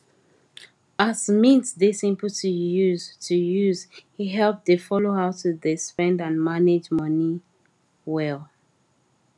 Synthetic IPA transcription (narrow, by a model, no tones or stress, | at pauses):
azmĩnsðesĩmpəltʰujuztʰujuzhiɦɛlp̚ðefɔloɦaʊtʰudɪspɛ̃ndãnmaned͡ʒmʌni | wɛl